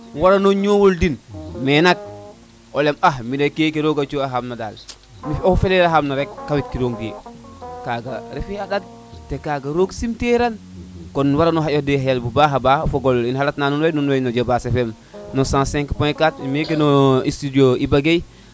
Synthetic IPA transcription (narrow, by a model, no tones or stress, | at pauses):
waɾanoɲowoldinmenak̚ | olemahmidekekeɾoɡat͡ʃoaɦamnadaːl | miofeleɾaɦamnaɾekːawit̚kiɾoŋɡijekaɡaɾifiaɗad̚ | tekaɡaɾoɡsimteɾan | konwaɾanoɦajodeɦajalbubaɦabafoɡolinhalatnaːnunwejnunwejnod͡ʒobasefem | nosãːsɛ̃ŋkpõjkatmek̬enoistidioibaɡej